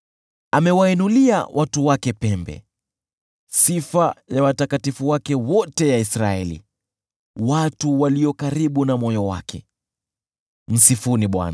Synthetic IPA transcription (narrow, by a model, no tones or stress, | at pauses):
amɛwainulia̰wʔatuwakɛpɛmbɛ̰ | sifajawatakatifuwakɛwɔtɛjaisɾaɛlḭ | watuwaliɔkaɾiɓunamɔjɔwa̰kʰɛ̰ | m̩sifuniɓwa̰na